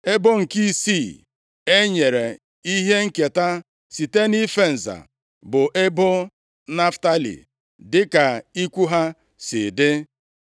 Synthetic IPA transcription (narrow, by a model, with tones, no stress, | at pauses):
e˦bʊ˦ŋ̩˨ki˦si˦˨ | e˦ɲe˨ɾe˨ | i˦ɦe˦ŋ̩˦ke˨ta˦ | si˨te˦ni˦fe˦n̩˨za̰˨ | bʊ˨ʔe˦bʊ˦ | na˦fta˦lḭ˨ | dɪ˦ka˨i˦kʷu˦ɦa˦ | sɪ˨dɪ˦